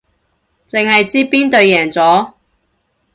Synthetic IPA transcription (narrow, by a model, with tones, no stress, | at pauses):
t͡se˨ŋhɐ˨jt͡siː˥piː˥nt̪ɵ˧ɥjɛː˨˩ŋt͡sɔː˨˥